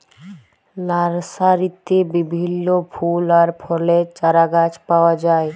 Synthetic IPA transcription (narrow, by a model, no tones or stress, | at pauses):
laɾsaɾit̪ːebibʱinːopʰulaɾpʰɔlet͡ʃaɾaɡat͡ʃpawad͡ʒaːe